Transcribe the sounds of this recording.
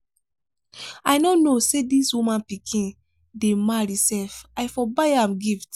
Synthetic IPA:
aɪnonosediswumãnpikʰĩn | demaɹisɛlfajfɔbaɪãmɡift

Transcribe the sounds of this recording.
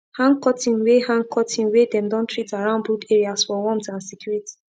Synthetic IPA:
hãŋɡkɔtʰĩnwehãŋkʰɔtʰĩnwedɛ̃mdɔ̃ntɹitaɹãʊ̃ndbɹukeɹiasfɔwɔ̃mtãnsɛkjuɹiti̥

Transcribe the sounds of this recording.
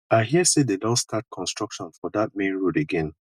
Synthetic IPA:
aɪɦisededɔ̃stat̚kʰɔ̃nstɹ̥ʌkʃɔ̃nfɔdat̚mẽnɹudeɡɛ̃n

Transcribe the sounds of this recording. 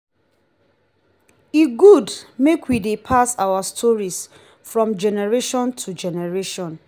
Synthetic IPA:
iɡudmekwidepʰasawastʰɔɹis | fɹɔ̃md͡ʒɛnɛɹeʃɔ̃ntʰud͡ʒɛnɛɹeʃɔ̃n

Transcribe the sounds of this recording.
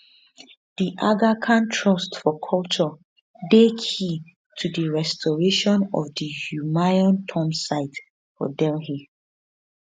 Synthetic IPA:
d̥iʔaɡakʰãntʰɹɔstfɔkʰɔlˠt͡ʃɔ | dekʰhi | tʰudəɹɛstʰɔɹeʃɔ̃nɔ̰vdəhumajɔ̃ntʰɔ̃msaɪt | fɔ̰dɛlɦi

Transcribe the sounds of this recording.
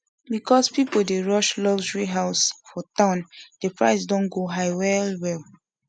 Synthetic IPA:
bikʰɔspipoldeɹɔʃlɔɡʒəɹiɦaʊsfɔtãʊ̃nd̥epɹa̰ɪsdõnɡoɦaɪwɛlwɛl

